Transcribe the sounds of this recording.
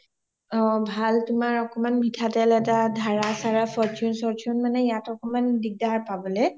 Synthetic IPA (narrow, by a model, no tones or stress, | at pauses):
ɔbʱaltʊmaɹɔkɔmanbʱitʰatɛlɛtadʱaɹasaɹapʰɔɹt͡ʃunsɔɹtunmanɛjatɔkɔmandik̚daɹpabɔlɛ